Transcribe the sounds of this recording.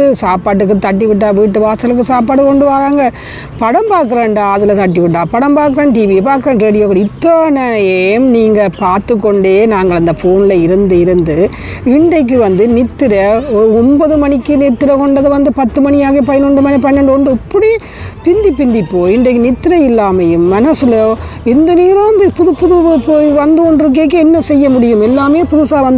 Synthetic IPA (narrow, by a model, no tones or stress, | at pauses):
ɯsaːpaːʈ̬ːɯk̬ːɯt̪ɐʈ̬ːiʋɪʈ̬ːaːʋiːʈːɯʋaːsɐlɯk̬ːɯsaːp̬aːʈɯkːɔɳɖɯʋaːɾaːŋɡɐ | pɐɽɐmbaːɾkːɯɾɐɳɖaːɐðɯlɐt̪ɐʈːiʋɪʈːaːpɐɽɐmbaːkːɯɾɐːɳʈiːʋiɛpaːɾkɯɾeːnɖɾeːɽɪjoːkɐɽiɪt̪ːoːnɐɐjemniːŋɡɐpaːɾt̪ɯkːɔɳɖeːnaːŋɡɐɭɐnd̪ɐfoːnɪlɐɪɾɯnd̪ɯɪɾɯnd̪ɯ | ɪɳɖɐɪk̬ːɯʋɐnd̪ɯnɪt̪ːɪɾɐɔɔmbɐðɯmɐɳɪkːɯnɪt̪ːɪɾɐkɔɳɖɐðɯʋɐnd̪ɯpɐt̪ːɯmɐɳɪjaːɣɐpɐjɐnɔɳɖɯmɐnipɐjɐnɐɳɖɯɔɳɖɯɐpːɐɽi | pɪnd̪ipɪnd̪ipːoːɪɳɖɐɪkːɯnɪt̪ːɪɾɐɪlːaːmɐjɯmːɐnɐsɯlɪnd̪ɐniːɾɐmpʊðɯpʊðɯʋɯpoːjʋɐnd̪ɯɔɳɖɾɯk̬ːeːk̬ːɯɛnːɐsɛjːɐmʊɽɪjɯmɛlːaːmɐjpʊðʊsaːʋɐnd̪